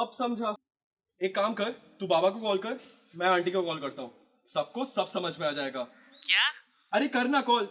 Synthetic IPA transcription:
ɐbsɐmd͡ʒʱaː | eːkːaːmkɐɾt̪ubaːbak̬okɔːlkɐɾ | mɛ̃ãːɳʈikokɔːlkɐɾt̪aɦũː | sɐb̚kosɐbsɐməd͡ʒʱmẽaːd͡ʒaːeːɡaː | kja | ɐɾekɐɾnakɔːl

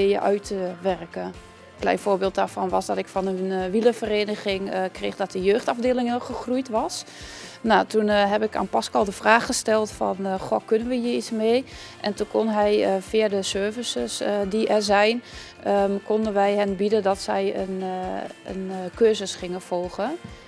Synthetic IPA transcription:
ɪjə̰ʔœ̰ɥtʰəʋɛrkə | klɛ̰jnfoːbeːlt̚daːɹfɔnʋɔsdɔtɪkfɔnənʋiləfəreːnəɣɪŋkreːxdɔt̚əjøːxtavdeːlɪŋɪxəxrujtʋɑs | natunɦɛbɪka̰ːnpaskɔlˠdəfraːxəstɛlˠtfɔ̰nxokønənʋəjiismeː | ʔɛntunkʰonɦɛjfiədəsøːvəsəsdiʔɛzɛjn | kondənʋɛjɦɛnbidədɔtsɛjən | ənkøːzəsxɪŋəfolˠɣə

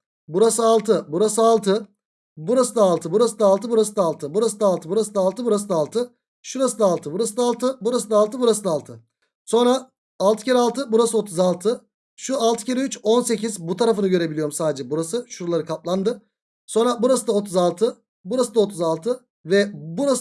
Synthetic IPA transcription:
buɾasɯalˠt̪ʰɯbuɾasɯalˠt̪ʰɯ | buɾasɯd̪aːlˠt̪ʰɯbuɾasɯd̪aːlˠt̪ʰɯbuɾasɯd̪aːlˠt̪ʰɯbuɾasɯd̪aːlˠt̪ʰɯbuɾasɯd̪aːlˠt̪ɯbuɾas̬ɯd̪aːlˠt̪ʰɯ | ʃuɾasɯd̪aːlˠt̪ʰɯbuɾasɯd̪alˠt̪ʰɯbuɾasɯd̪aːlˠt̪ʰɯbuɾasɯd̪aːlˠt̪ʰɯ | so̞nɾaː | lˠt̪ʰɯ̥caɾalˠt̪ʰɯbuɾasɯo̞t̪ʰuzalˠt̪ʰɯ | ʃualˠt̪ʰɯ̥cʰaɾeyt͡ʃo̞nse̞cizbut̪ʰaɾafɯnɯɟø̞ɾe̞bilʲijo̞ɾumsaːd̪ed͡ʒɛbuɾasɯʃuɾulˠaɾɯkʰap̚lˠand̪ɯ | so̞nɾabuɾasɯd̪aot̪ʰuzalˠt̪ʰɯ | buɾasɯd̪ao̞t̪ʰuzalˠt̪ʰɯ | vɛbuɾas

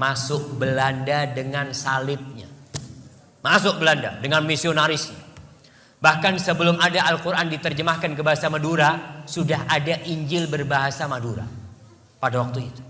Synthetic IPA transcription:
masʊk̚bəlandadəŋansalɪt̪̚ɲa̰ | masʊk̚bəlanda̰dəŋanmisionaɾɪsɲa̰ | bahkansəbəlʊmadaʔːlkuɾʔandit̪ərd͡ʒəmahkankəbaɦasamaduɾasudaɦadaʔiɲd͡ʒɪlbərbaɦasamaduɾa̰ | padawak̚t̪uit̪u̥

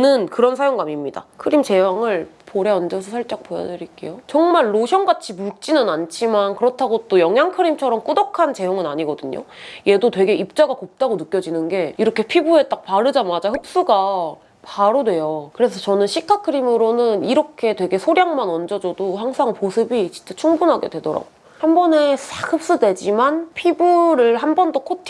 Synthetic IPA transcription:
nɯnkɯɾʌnsʰajoŋɡamimɲida̰kʰɯɾimt͡ɕe̞jaŋɯɭpoɾeʌnd͡ʑʌsʰʌsʰʌɭt͡ɕ͈ak̚p͈oja̰dɯɾik͈e̞̰jot͡ɕʌŋmaɭːoɕʰjʌŋɡat͡ɕʰimuɭ̚t͡ɕ͈inɯnant͡ɕʰimankɯɾʌtʰaɡot͈ojʌŋjaŋkʰɯɾimt͡ɕʰʌɾʌmk͈udʌkʰant͡ɕe̞joŋɯnaɲiɡʌdɯɲo̰je̞dotwe̞ɡe̞ip̚t͡ɕ͈aɡakop̚t͈aɡonɯk͈jʌd͡ʑinɯnɡe̞iɾʌkʰe̞pʰibue̞t͈ak̚paɾɯd͡ʑamad͡ʑahɯp̚s͈uɡa | paɾodwe̞jokɯɾe̞sʰʌt͡ɕʌnɯnɕʰikʰakʰɯɾimɯɾonɯniɾʌkʰe̞twe̞ɡe̞sʰoɾjaŋmanʌnd͡ʑʌd͡ʑodoɦaŋsʰaŋposʰɯbit͡ɕi̥t͡ɕ͈ʰet͡ɕʰuŋbunɦaɡe̞dwe̞dʌɾa̰ɡo | hambʌne̞sʰahɯp̚s͈udwe̞d͡ʑimanpʰibuɾɯɭhambʌndokʰotʰ

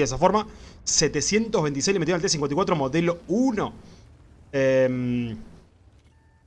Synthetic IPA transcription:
esafo̞ɾmaset̪esje̞nt̪oɦβent̪isejlemet̪ionlt̪ɾes̬iŋwenikwat̪ɾomoðelo̞uno | em

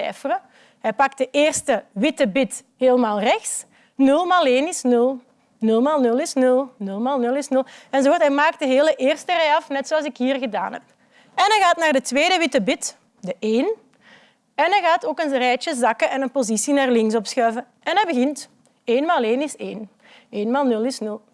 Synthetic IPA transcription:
ɛ̰ːfərə | ɦɛjpɑk̚t̚dəʔeːrstəʋɪtəbɪt | ɦeːlˠmaːlˠrɛxs | nɵlˠmaːlˠeːnɪsnɵlˠ | nɵlˠmaːlˠnɵlˠɪsnɵlˠnɵlˠmaːlˠnɵlˠɪsnɵlˠɛnzoɔrtɦɛjmaːk̚t̚dəɦeːləʔeːrstərɛjɑfnɛtsoːɑlˠzɪkɦiːrɣəda̰ːnɦɛ̰p | ɛnɛɣaːtnaːrdətʋeːdəʋɪtəbɪt | dəʔeːn | ɛnɛɣaːtoːkənzrɛjt͡ʃəzɑkəʔɛnənpozisinaːrlɪŋs̬ɔpsxœɥvə | ɛnɛbəɣɪnt | eːnmaːlˠeːnɪseːn | eːnmaːlˠnɵlˠɪsnɵlˠ

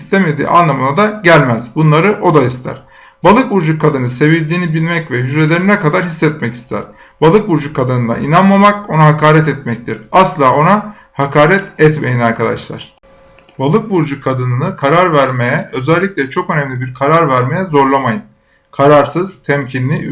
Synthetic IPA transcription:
ist̪ʰeme̞d̪ḭːʔa̰nlˠamɯnad̪aɟælʲmæz̥bunlˠaɾɯʔo̞d̪aist̪ʰæ̰ɾ̥ | balˠɯk̚buɾd͡ʒukʰːad̪ɯnɯse̞vilʲd̪iːnibilʲmɛcvɛɦyd͡ʒɾelʲe̞ɾinɛkad̪aɾhisːɛt̪mɛci̥st̪ʰæ̰ɾ̥ | b̥alˠɯk̚buɾd͡ʒukʰːad̪ɯnɯnd̪a̰ʔḭnanmamako̞naɦakʰaːɾɛt̪ɛt̪mɛc̚t̪iɾaslˠaːo̞na | hakʰaːɾɛt̪ɛt̪me̞̰jinaɾkʰad̪a̰ʃlˠa̰ɾ̥ | balˠɯk̚buɾd͡ʒukʰad̪ɯnɯnɯkʰaɾaɾvæɾme̞jɛø̞zɛlʲːicʲlʲɛt͡ʃʰo̞kø̞nɛmlʲibiɾkʰaɾaɾvæɾme̞jɛzo̞ɾlˠamajɯm | kʰaɾaɾsɯz̥t̪ʰɛmcʰinlʲi

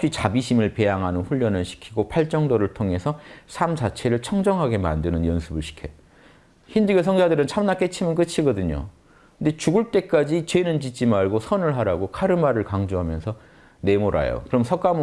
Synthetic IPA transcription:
ɕ͈it͡ɕabiɕʰimɯɭpe̞jaŋɦanɯnɸuʎːʌnɯɭɕʰi̥kʰiɡopʰaɭt͡ɕ͈ʌŋdoɾɯɭtʰoŋe̞sʰʌsʰamt͡ɕat͡ɕʰe̞ɾɯɭt͡ɕʰʌŋd͡ʑʌŋɦaɡe̞ma̰ndɯnɯnjʌnsʰɯbɯɭɕʰi̥kʰeo | çind͡ʑɯɡes̬ʰʌŋd͡ʑadɯɾɯnt͡ɕʰamnak͈et͡ɕʰimɯnk̬ɯt͡ɕʰiɡʌdɯɲo̰ | kɯnde̞t͡ɕuɡɯɭt͈e̞k͈ad͡ʑit͡ɕenɯnt͡ɕit͡ɕ͈imaɭɡosʰʌnɯɭɦaɾaɡokʰaɾɯmaɾɯɭkaŋd͡ʑoɦamjʌnsʰʌ | ne̞moɾa̰jo̰kɯɾʌmsʰʌk͈am

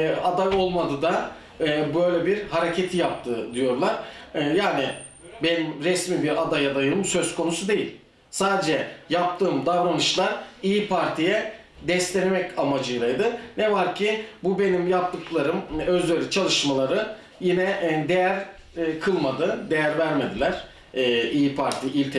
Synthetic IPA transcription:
ad̪ajo̞lˠmad̪ɯd̪aː | bøjlʲɛbiɾhaɾecʰet̪ʰijap̚t̪ʰɯd̪ijo̞ɾlˠaɾ̥jaːnɪ | bɛnimɾɛsmibiɾad̪ajad̪ajɯmsøzkʰo̞nusud̪e̞jilʲ | saːd̪ed͡ʒɛjap̚t̪ʰɯːmd̪avɾanɯʃlˠaɾijipʰaɾt̪ʰijɛ | d̪ɛst̪ʲenemɛcamad͡ʒɯjɾajd̪ɯnɛvaɾcʰibube̞nimjap̚t̪ʰɯklˠaɾɯmøzlʲeɾʲit͡ʃʰalˠɯʃmalˠaɾɯ | jinɛd̪e̞jæɾ | kʰɯlˠmad̪ɯd̪e̞jæɾvæɾme̞d̪ilʲæɾ̥ː | ijipʰaɾt̪ʰiilʲt̪ʰe

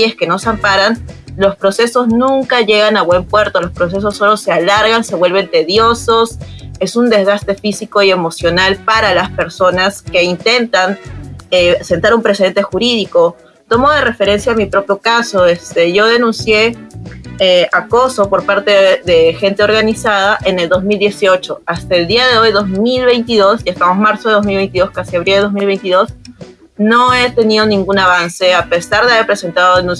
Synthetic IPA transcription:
eske̞no̞sampaɾan | lo̞spɾo̞se̞so̞znũŋkaʝe̞ɣanaβwe̞mpwe̞ɾt̪o̞lo̞spɾo̞s̬e̞s̬o̞sːo̞lo̞se̞alaɾɣanse̞βwe̞lβ̞e̞nt̪e̞ðjo̞so̞s | e̞sund̪e̞zɣast̪ɾe̞fisiko̞ie̞mo̞sjo̞nalpaɾalaspe̞ɾso̞naske̞int̪e̞nt̪anese̞nt̪aɾumpɾesee̞nt̪e̞xuɾiðiko̞ | t̪o̞mo̞ðere̞fe̞ɾensjaːmipɾo̞pjo̞kaso̞est̪eʝo̞ð̞e̞nũnsje̞ | eako̞so̞po̞ɾpaɾt̪e̞ðe̞xe̞nt̪eo̞ɾɣanisað̞aʔe̞ne̞ld̪o̞zmild̪je̞sio̞t͡ʃo̞ast̪aeld̪iaðe̞o̞jðo̞zmilβe̞jnt̪iðo̞siest̪amo̞zmaɾso̞ðeðo̞zmilβe̞jnt̪iðo̞skasiaβɾild̪eomilβe̞jnt̪iðo̞s | no̞et̪e̞nið̞o̞nĩŋɡunaβanse̞ape̞saɾðeaβeɾpɾe̞se̞nt̪aðoðenũn

